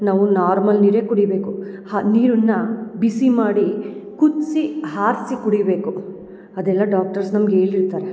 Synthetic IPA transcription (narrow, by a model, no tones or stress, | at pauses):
naːʋunaːɾmɐlniːɾekuɽibe̞ːkuhaniːɾunːɐbisimaːɽikut̪sihaːɾsikuɽibe̞ːku | ɐd̪ɛlːɐɖaːk̚ʈɐɾsnɐmɡe̞ːɭiɾt̪aːɾe